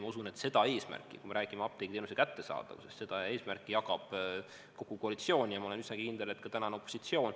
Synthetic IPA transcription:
mɑusune̞t̪se̞d̪̥ɑe̞ːsmæ̰rkːˑḭkume̞ɾæːɡ̥imeɑp̚t̪ejɡit̪eːnusekæt̪ːe̞sɑ̰ːd̪̥ɑ̰kusɑsse̞d̪̥ɑe̞ːsmærkˑːijɑɡɑb̥ | ko̞ɡ̥uko̞ɑlit̪sio̞ːnʲijɑmɑole̞nysnɑkikind̪̥elet̪̚ːkɑt̪ænɑneo̞pːˑosit̪sio̞ːn

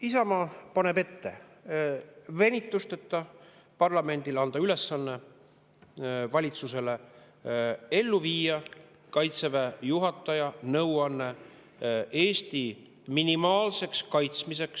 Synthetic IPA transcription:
isɑmɑpɑne̞be̞t̪ːe̞ | ve̞nʲit̪ːˑust̪et̪ːˑɑ | pɑrlɑme̞nʲd̪̥ilɑnd̪̥ɑyle̞sːɑnːe̞ | vɑlʲit̪suse̞le̞ | e̞lːuviːjɑ | kɑjt̪sevejuɦɑt̪ːˑɑjɑnɤwɑnːe̞ | ʔe̞ːst̪i | minimɑːlse̞kskɑjt̪smise̞ks

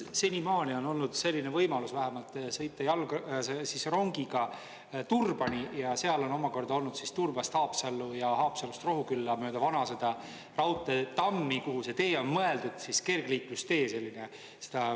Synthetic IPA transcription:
senimɑːnio̞no̞lnud̪̥se̞lʲːinevɤjmɑlusvæɦemɑlt̪sɤ̞jt̪ːˑɑjɑlɡsesisro̞ŋɡ̥iɡ̥ɑ | t̪urb̥ɑnijɑse̞ɑlo̞no̞mɑko̞rd̪̥ɑo̞lnud̪sist̪urb̥ɑst̪hɑːpsɑlːujɑɦɑːpsɑlust̪ro̞ɦukylːɑmø̞ːd̪̥ɑvɑnɑse̞d̪̥ɑ | rɑwt̪ːˑet̪ɑmːikuɦuse̞t̪e̞ːo̞nmɤe̞ld̪ud̪̥siske̞rɡ̥liːklust̪e̞ːse̞lʲːine | se̥d̪̥ɑ

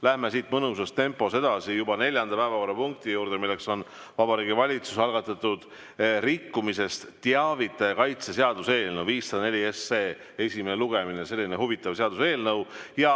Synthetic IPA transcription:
læhmesiːt̪mɤnusɑst̪e̞mpːo̞se̞d̪̥ɑsijubɑne̞lʲjɑnd̪ɑpæevɑkorːɑpuŋk̚t̪ijuːɾd̪̥e̞milːe̞kso̞n | vɑbɑɾiːɡivɑlʲit̪su̥sɑlɡ̥ɑt̪ːˑɑt̪ːud̪̥ | rikːumise̞st̪t̪ːeɑvit̪ːˑɑkɑjt̪se̞seɑd̪̥use̞ːlnəwviːsːɑd̪ɑne̞lʲie̞sːeː | e̞sʲimeneluɡ̥e̞minese̞lːineɦuvit̪ːˑɑvseɑd̪use̞ːlnɤwjɑ

